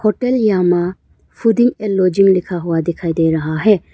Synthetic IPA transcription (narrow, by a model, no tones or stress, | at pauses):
hoʈeljaːma | pʰud̪ĩŋɡelːoːd͡ʒiŋɡlɪkʰaɦʊad̪ɪkʰaːid̪eːɾɐɦaɦɛ